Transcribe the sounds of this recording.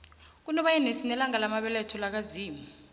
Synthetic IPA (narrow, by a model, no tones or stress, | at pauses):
k̬unɔɓajɛnesinɛlaŋalamaɓɛlɛtʰɔlak̬aziːmi